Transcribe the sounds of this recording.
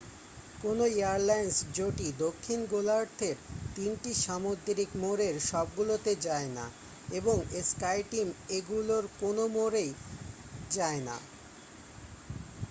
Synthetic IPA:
konoiaɾlajnsd͡ʑoʈid̪okʰːinɡolaɾt̪ʰeɾt̪inʈiʃamod̪ːɾikmoɾeɾʃɔb̚ɡulot̪ed͡ʑaena̰ | eboŋeskajʈimeɡuloɾkonomoɾej | d͡ʑaena̰

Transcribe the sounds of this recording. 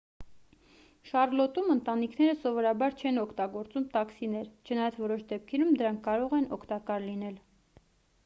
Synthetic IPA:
ʃɑrlɔt̪umənt̪ɑnikʰnɛɾəsɔvɔɾɑbɑɾt͡ʃʰɛnɔkʰt̪ɑɡɔɾt͡sumt̪ɑksinɛɾt͡ʃʰənɑjɑt͡sʰvɔɾɔʃd̪ɛp̚kʰɛɾumd̪əɾɑŋkʰːɑɾɔʁɛnɔkʰt̪ɑkɑɾlinɛl

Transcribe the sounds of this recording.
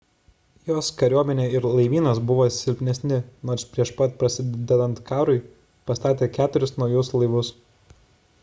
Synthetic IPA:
joːskɐɾʲuɔmʲɛnʲeːɪɾlˠɐɪʋʲiːnɐsbʊʋoːsʲɪlʲpʲnʲɛsʲnʲɪnoːɾsʲpʲɾʲiɛʃpɐt̪̚pɾɐsʲɪd̪ʲɛd̪ɐnt̪kɑːɾʊɪ | pɐst̪ɑːt̪ʲeːkʲæːt̪ʊɾʲʊsnɒʊjʊslˠɐɪʋʊs

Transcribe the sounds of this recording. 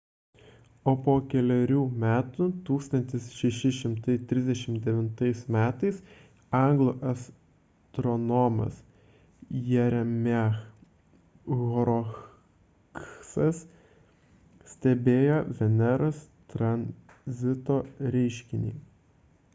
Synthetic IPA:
oːpoːkʲɛlʲɛɾʲuːmʲæːt̪ut̪uːkst̪ɐnʲt̪ʲɪsʃʲɛʃʲɪʃʲɪmt̪ɐɪt̪ʲɾʲɪzd̪ʲɛʃʲɪmd̪ʲɛʋʲɪnt̪ɐɪsmʲæːt̪ɐɪs | ɑˑŋɡlˠuːʔɐs | t̪ɾɔnɔmɐ̰s | jɛɾʲɛmʲɛx | ɣɔɾɔ | ksɐs | sʲt̪ʲɛbʲeːjoːʋʲɛnʲɛɾɐs | t̪ɾɐnʲ | zʲɪt̪oːɾʲɛɪʃʲkʲɪnʲḭː

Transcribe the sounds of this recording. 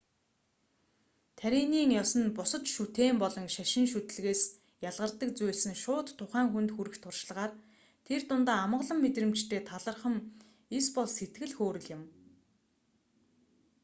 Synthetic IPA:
t̪ʰæɾʲiːniːŋjɔsə̆npʊsə̆t͡ɕʃut̪eːmpɔɮɞ̆ŋʃæʃɪ̆ŋʃut̪̆ɮɣeːs | jaɮʁə̆rt̪ːə̆k̚t͡sujɮsɘ̆ŋʃʊːt̪ʰːʊχæːŋxunt̪xuɾɘ̆xt̪ʰʊrʃ̆ɮʁaːr | t̪ʰert̪ʊnt̪aːamə̆ʁɮə̆mːet̪rɘ̆mt͡ɕt̪ʰeːt̪ʰaɮə̆rχə̆m | ispɔɮset̪̚ɡɘ̆ɮxoːɾɘ̆ɮɪ̆m

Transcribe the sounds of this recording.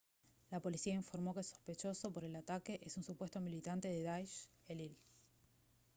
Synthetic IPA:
lapo̞lisiaiɱfo̞ɾmo̞keso̞̥spe̞t͡ʃo̞so̞po̞ɾe̞lat̪ake̞ʔesunsupwe̞st̪o̞milit̪ant̪e̞ðeðajʃelil

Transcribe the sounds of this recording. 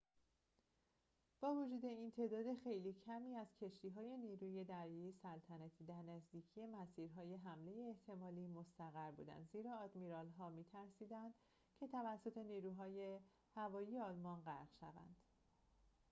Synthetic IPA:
b̥ɒːvod͡ʒuːd̪e̞int̪ʰe̞ːd̪ɒːd̪e̞xe̞jliːcʰæmiːæzcʰe̞ʃt̪iːɦɒːje̞niːɾuːje̞d̪æɾjejesælt̪ʰænæt̪ʰiːd̪æɾnæzd̪iːcʰije̞mæsiːɾɦɒːje̞ɦæmle̞jeːht̪ʰe̞mɒːliːmo̞st̪æɣæɾbṵːd̪æ̰nd̪ziːɾɒːɒːd̪miɾɒlɦɒːmiːt̪ʰæɾsiːd̪ænd̪̥ | cʰe̞t̪ʰævæsːo̞t̪ʰe̞niːɾuːɦɒːje̞ | hævɒːjiːje̞ɒːlmɒnɢæɾɣʃævæ̰nd̪̥

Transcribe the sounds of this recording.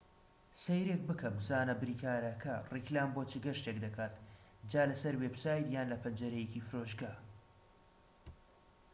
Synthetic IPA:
sejɾek̚bɨkʰɐmzaːnɐbɨɾiːkaːɾɐkʰɐriklaːmboːt͡ʃɨɡɐɾʃtekd̪ɐkʰaːt̪ | d͡ʒaːlɐsɐɾwepsaːjt̪jaːnlɐpʰɐnd͡ʒɐɾɛjecifɨɾoːʒɡaː

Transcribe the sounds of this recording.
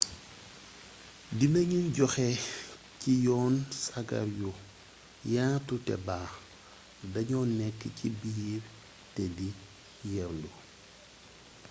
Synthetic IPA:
dinɐɲunɟɔxɛ | cijɔːnsaɡɐ̰ɾju | jaːtutɛ̰baː | dɐɲɔːnɛkːcibiːɾ | tɛdi | jɛɾlu

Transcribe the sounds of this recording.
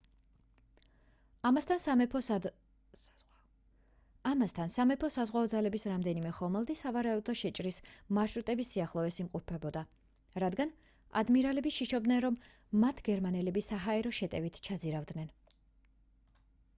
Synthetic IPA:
t̪ʰan | amast̪ʰansamɛpʰɔsazʁwaɔd̪zalɛbisɾamd̪ɛnimɛχɔmɛlˠd̪isavaɾaud̪ɔʃɛt͡ʃʼɾismaɾʃɾut̪ʼɛbisiaχlˠɔɛsimqʼɔpʰɛbɔd̪a | ɾad̪ɡan | a̰d̪miɾalɛbiʃiʃɔbd̪nɛnɾɔmː | at̪ʰɡɛɾmanɛlɛbisaɦaɛɾɔʃɛt̪ʼɛvit̪ʰt͡ʃʰad̪ziɾavd̪nɛn

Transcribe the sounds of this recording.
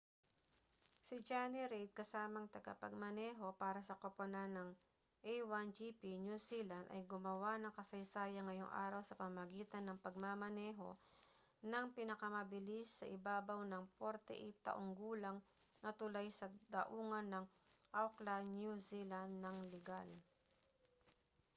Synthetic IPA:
sɪd͡ʒaniɾɛjd̪̚kɐsaːmɐŋt̪ɐɡa̰pɐɡ̚mɐnɛːɦo̞paːɾɐsɐkoponanɐŋ | ʔɛjwand͡ʒipinjusilɐnd̪ɐ̰jɡʊmɐwanɐŋkɐsɐjsaːjɐŋːɐjoŋʔa̰ːɾɐwsɐpɐmamɐɡiːt̪ɐnːɐŋpɐɡ̚mamɐnɛːɦo̞̰ | nɐŋpɪnɐkɐmɐbɪlisːɐʔɪbaːbɐwnɐŋpɛɾt̪ɛ̰ʔɪt̪ɐ̰ʔoŋɡuːlɐŋ | nɐt̪ʊlajsɐd̪ɐʔuːŋɐnːɐŋʔawklanjusiland̪ːɐŋlɛɡal

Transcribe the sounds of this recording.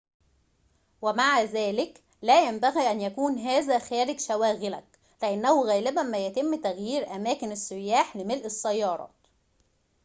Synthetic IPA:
wæmaʕazæːlɪk | læːjæmbæɣiːʔænjækuːnɦæːzæxæːɾɪɡʃæwæːɣɪlæk̚ | lɪʔanːæhʊɣæːlɪbæmæjæt̪ɪmːt̪æɣjiːɾʔæmæːkɪnæsːʊjːaːħlɪmɪlʔɪsːæjːɑːɾˤɑ̰ː

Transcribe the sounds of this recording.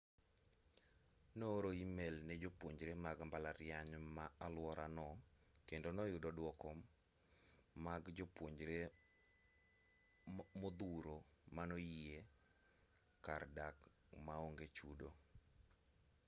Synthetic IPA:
noːɾoimelned͡ʒopwoɲd͡ʒɾemaɡmbalaɾɪaɲmaalwɔɾanɔ | kendonɔjʊdɔdwɔkɔ | maɡd͡ʒopwoɲd͡ʒɾe | mod̪uɾomanoie | kardak | maoŋɡet͡ʃudo

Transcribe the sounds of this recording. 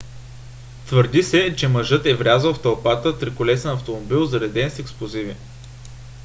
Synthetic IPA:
t̪vɤɾd̪isɛt͡ʃɛmɐʒɤt̪ɛvɾʲazəlˠft̪ɐlˠpat̪ət̪ɾikʊlɛsɛnɐft̪omobilˠzɐɾɛd̪ɛnsɛksplˠozivi

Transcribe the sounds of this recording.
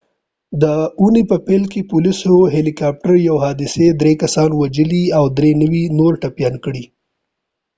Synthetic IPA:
d̪əunepəpelkepʊlisoɦelikɑp̚ʈaɾjawɦɑd̪ɪsed̪ɾekasɑnwad͡ʒəliawd̪ɾenəwinoɾʈapjɑnkɽi

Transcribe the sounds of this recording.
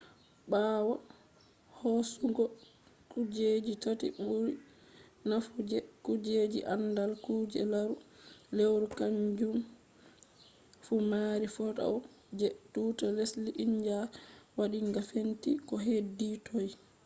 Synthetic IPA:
ɓaːwa | hɔsuɡɔ | kud͡ʒed͡ʒitotḭɓuɾi | nafud͡ʒɛkud͡ʒed͡ʒḭʔandalkuːd͡ʒɛ̰laɾulewɾukaɲd͡ʒum | fumaːɾifɔta̰w | d͡ʒetːuːtalesliʔiɲd͡ʒawaɗiŋɡafentikɔɦeditɔj

